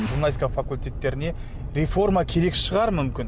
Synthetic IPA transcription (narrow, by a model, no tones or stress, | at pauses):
ʒurnaiskafakulʲt̪ʲe̞t̪ːe̞ɾɪne̞ | ɾe̞fo̞ɾmɑkʲʰe̞ɾe̞kʃəʁɑɾmʏmkʲɪn